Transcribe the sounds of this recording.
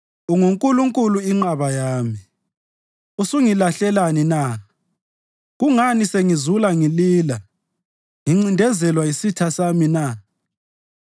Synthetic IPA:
uŋuŋkʼuluŋkʼuluiŋ͡ǁaβajaːmi | usuŋilaɬɛlanina | ɣuŋaniseŋizulaŋiliːla | ŋiŋ͡ǀindʱɛzɛlwaisitʰasamina

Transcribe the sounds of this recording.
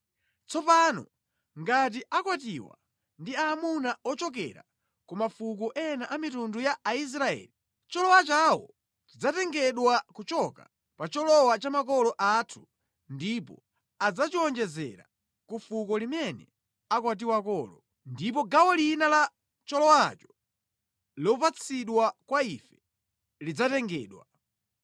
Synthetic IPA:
t͡sɔpaːnɔ̰ | ŋɡat̬iʔakwatiwa̰ | ndiamunaɔt͡ʃɔk̬ɛ̰ɾa̰ | kumafuk̬ɔʔɛnaʔamitundujaːis̬ɾaɛ̰ːli | t͡ʃɔlɔwat͡ʃawɔ̰ | t͡ʃid͡zatɛŋɡɛɗwakut͡ʃɔka | pat͡ʃɔlɔwat͡ʃamakɔlɔʔatʰu̥ | ndipɔ̰ | ad͡zat͡ʃiɔnd͡ʒɛzɛ̰ɾa̰ | kufukɔlimɛnɛ̰ | akwat̬iwakɔːlɔ | ndip̬ɔɡawɔlinala | t͡ʃɔlɔwat͡ʃɔ̥ | lɔpat͡sʰiɗwakwaifɛ̥ | lid͡zatɛŋɡɛ̰ːɗwa

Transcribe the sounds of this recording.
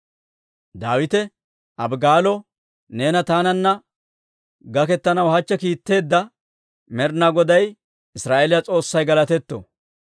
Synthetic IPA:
d̪aːwɪt̪ɛ | ʔɐbɡaːlɔ | ne̞ːnɐt̪aːnɐnːɐ | ɡɐkɛt̪ːɐnɐwhɐt͡ʃːɛkiːt̪ːe̞ːd̪ːɐ | mɛɾnaɡɔd̪ɐj | ɪsɾaːʔelɪjɐt͡sʼo̞ːsːɐjɡɐlɐt̪ɛt̪ːo̰

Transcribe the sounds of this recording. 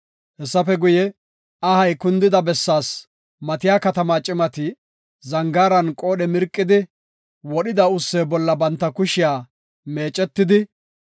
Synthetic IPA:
hɛsːɐfɛɡʊjɛ | ɐhɐjkʊnd̪ɪd̪ɐbɛsːaːs | mɐt̪ɪjaːkɐt̪ɐmaːt͡ʃʼɪmɐt̪ɪ | zɐŋɡaːɾɐnkʼo̞ːɗɛmɪɾkʼːɪd̪ɪ | wɔɗɪd̪ɐʊsːeːbɔlːɐbɐnt̪ːɐkʊʃɪjaː | me̞ːt͡ʃʼːɛt̪ːɪd̪ɪ

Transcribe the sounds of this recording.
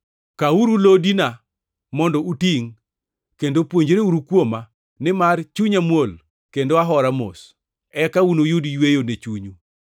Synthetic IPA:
kauɾulodina | mɔndɔutiŋ | kendopwoɲd͡ʒɾeuɾukwoma | nɪmart͡ʃuɲamwol | kendoaɦɔɾamo̰s | ɛkaunojudijwejonet͡ʃuɲu

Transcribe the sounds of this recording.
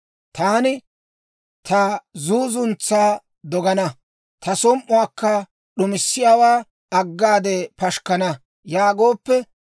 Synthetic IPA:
t̪aːnɪ | t̪ɐzuːzʊnt͡sːaː | d̪ɔɡɐnɐ | t̪ɐsɔmʔʊaːkːɐ | ɗʊmɪsːɪjaːwaː | ɐɡːaːd̪ɛpɐʃkɐnɐ | jaːɡoːpːɛ

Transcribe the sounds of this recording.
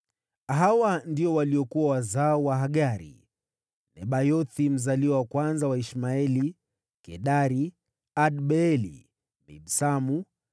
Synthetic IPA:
ɦawandiɔwaliɔkuwawazaɔwaɦaɠaɾḭ | nɛɓajɔθim̩zaliwawakwanzawaiʃmaɛli | kɛɗaɾi | aɗɓɛɛlḭ | nḭɗsamu

